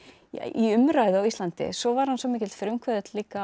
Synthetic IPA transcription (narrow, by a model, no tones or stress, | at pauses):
ja̰iʏmɾajðʏawist̪lant̪ɪ̰sɔvaɾ̥hansɔmɪːcɪlt̪fɾʏmkʰvɛðɪt̪liːka